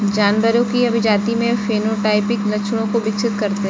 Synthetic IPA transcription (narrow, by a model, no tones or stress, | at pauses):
d͡ʒaːnbəɾõkiɐbʱɪd͡ʒaːt̪imẽfeːnoʈaːɪpɪklɐt͡ʃʰʊɽ̃õkobɪkt͡ʃʰɪt̪kɐɾt̪e